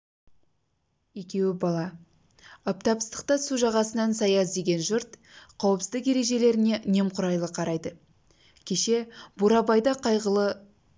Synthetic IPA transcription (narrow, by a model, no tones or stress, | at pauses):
e̞kʲe̞wɪbɑlˠɑ | ɑp̚t̪ɑpsəst̪əq̚t̪ɑsuʒɑʁɑsənɑnsɑjɑsd̪e̞ɡʲe̞nʒʊɾt̪qʰɑwəpsəɪzd̪ɪke̞ɾe̞ʒe̞le̞ɾɪne̞ʔne̞mqʰʊɾɑjlˠəqʰɑɾɑjd̪ə | kʲʰe̞ʃe̞b̥uɾɑbɑjd̪ɑqʰɑjʁəlˠə